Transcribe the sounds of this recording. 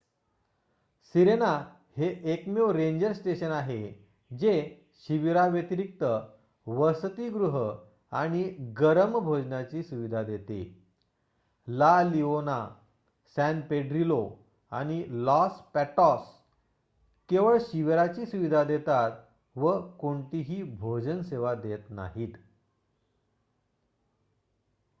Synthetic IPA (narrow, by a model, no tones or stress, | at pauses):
siɾena | heʔekmewɾeɲd͡ʑəɾsʈeɕənaɦe | d͡ʑe | ɕiʋiɾaʋjət̪iɾik̚t̪ə | ʋəst̪iɡɾuɦə | a̰ɽ̃iɡəɾəmbʱod͡ʑnat͡ɕiːsuʋid̪ʱad̪et̪ḛ | laliona | sænpeɖɾilo | a̰ɽ̃ilɔspæʈɔs | keʋəɭɕiʋiɾat͡ɕiːsuʋid̪ʱad̪et̪at̪ | ʋəkoɳt̪iɦiːbʱod͡ʑənseʋad̪et̪na̰ɦiːt̪